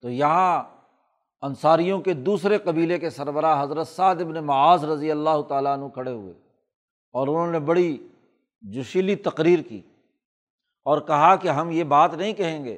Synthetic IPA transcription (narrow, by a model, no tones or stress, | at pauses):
t̪oːjɐɦã | ɐnsaːɾijõked̪uːsɾeqɐbiːlekesɐɾbəɾaɦɐzɾət̪saːd̪ɪbnemɐaːzɾɐzijəlːaːɦʊt̪aːlaɐnɦũkʰɐɽeɦʊ̰ḛː | ɔːɾʊn̤ɦõnebɐɽi | d͡ʒʊʃilit̪ɐqɾiːɾkḭː | ɔːɾkɐɦakeɦɐmjebaːt̪nɐɦĩkɐɦẽːŋɡḛː